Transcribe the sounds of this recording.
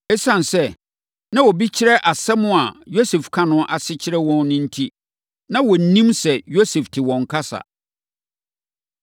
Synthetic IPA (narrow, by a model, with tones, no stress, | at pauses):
ɛ˦sã˨nsɛ˦ | nã˦wɔ˨bi˦t͡ɕʰɪ˦ɾɛ˦ʔa˨sɛ˦mʊ̃˦a˨jo˦sɛ˨fkʰã˦nʊ̃˦ʔa˨sɪ˦t͡ɕʰɪ˦ɾɛ˦wɔ̃˦nnɪ̃˦n̩˦tʰi˦ | nã˦wɔ˨n̩˨nĩ˦msɛ˨jo˦se˨ftʰɪ˨wɔ̃˨ŋ̩˨kʰa˦sa̰˨